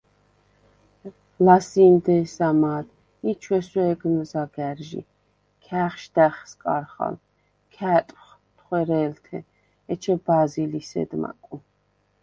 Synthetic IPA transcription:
lasiːmd̪ɛːsamaːd̪ | it͡ʃʰwɛswɛːɡnzaɡæɾʒḭ | kʰæːχʃd̪æχskʼaɾχa̰l | kʰæːt̪ʼχ | t̪ʰχwɛɾɛːlt̪ʰɛ̰ | ɛt͡ʃʰɛbazilisɛ̰d̪ma̰kʼu

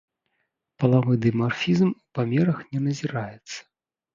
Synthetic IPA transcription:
pɐlˠavɨd̪ɨmarfʲizmupamʲɛɾɐxnʲɛnɐzʲiɾajɛt̪sːɐ̥

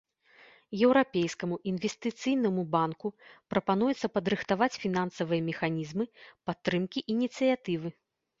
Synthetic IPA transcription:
jɛwɾapʲejskɐmuʔinvʲɛsʲt̪ɨt̪sɨjnɐmubankupɾɐpan̪ujɛt̪sːɐpɐd̪ɾɨxt̪avat͡sʲfʲinansɐvɨjɐmʲɛxanʲizmɨpat̪ːɾɨmkʲiʔinʲit̪sɨjat̪ɨvɨ

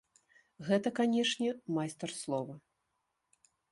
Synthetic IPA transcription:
ɣɛt̪ɐkanʲɛʂnʲɛmajst̪ɛrslˠɔvɐ

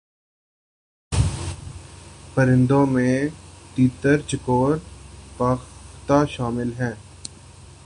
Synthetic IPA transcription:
pəɾɪ̃nd̪õmẽʈ̪iːt̪əɾt͡ʃɪkoːɾpɐxt̪aʃaːmɪlɦɛ̃ː

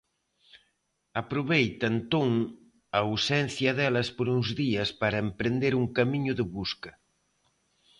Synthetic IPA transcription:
ɐpɾoβejt̪ant̪oŋ | awsɛn̟θjɐðɛlɐspoɾuŋzðiɐspaɾɐempɾend̪eɾuŋkamiɲʊðɪβuskɐ

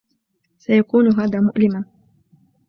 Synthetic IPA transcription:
sajakuːnʊɦaːðaːmʊʔlɪman

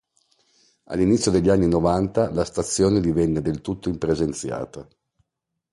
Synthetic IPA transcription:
a̰lːinit̪sːjod̪eʎːanːinovant̪alast̪at̪sːjoːned̪ivɛnːed̪elt̪ut̪ːoimpɾezent̪sja̰ːt̪a

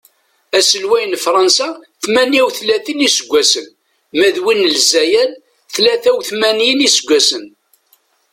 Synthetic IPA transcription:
æsəlwæjənfɾˤɑnsaθmæniæwθlæθinisəɡʷːæsən | mæðwinəlzæjæl | θlæθæwθmænjənisəɡʷːæsən

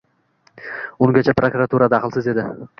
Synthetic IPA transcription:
ʊŋɡʲat͡ʃʰapɾokɾat̪ʰuɾad̪ɑqɨlˠsɪze̞d̪ɪ

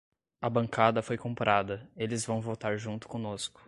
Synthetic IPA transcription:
ɐbɐ̃ŋkad̪ɐfojkõmpɾʔad̪ɐelɪzvɐ̃w̃vot̪aɾʒũnt̪ʊ̥kõnoskʊ̥

